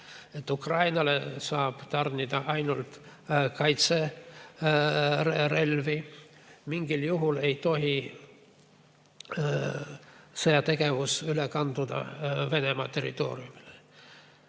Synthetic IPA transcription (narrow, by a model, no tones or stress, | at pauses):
e̞t̪ːˑukrɑjnɑlesɑːb̥t̪ɑrnʲid̪̥ɑʔɑjnult̪kɑjt̪se̞ | ɾe̞lvimiŋɡ̥iljuɦule̞jt̪o̞ɦi | seɑt̪e̞ɡ̥e̞vusylekɑnd̪ud̪̥ɑ̰ve̞ne̞mɑ̰t̪e̞ɾḭt̪o̞̰ːɾiumile